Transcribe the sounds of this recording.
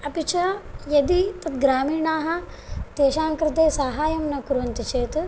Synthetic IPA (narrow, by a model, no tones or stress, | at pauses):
ɐpit͡ʃɐjɐd̪it̪ɐt̪ɡɾaːmiːɳaːɦɐ̆ | t̪eːʃaːŋkɾɪt̪eːsaːɦaːjɐmnɐkuɾʋɐnt̪it͡ʃeːt̪